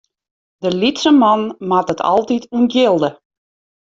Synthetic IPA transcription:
dəlitsəmɑnmatətʰɔ̰lˠtitʰunɡjɪlˠdə

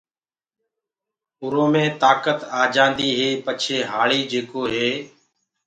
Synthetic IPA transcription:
ʊɾõːmẽːt̪aːkət̪aːd͡ʒãːnd̪iːɦeːpət͡ʃʰeːɦaːɭiːd͡ʒeːkoːɦeː

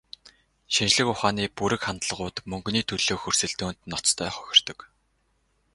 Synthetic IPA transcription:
ʃint͡ɕɮɘ̆kʊχaːniːpuɾɘ̆kχant̪ɮə̆ʁʊːt̪mɵŋɡniːt̪ʰɵɮoːxɵr̥sɘ̆ɮt̪uːn̥t̪nɔt͡st̪ʰœːχœ̥xʲɪ̆r̥t̪ɞ̆k

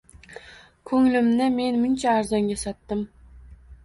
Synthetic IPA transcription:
kʰɵŋlɪmnɪme̞nmʊnt͡ʃʰaːɾzɑŋɡʲasɑt̪ːɪm

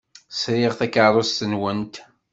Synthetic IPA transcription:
sɾiʁθækːaɾˤost̪ənwənt̪

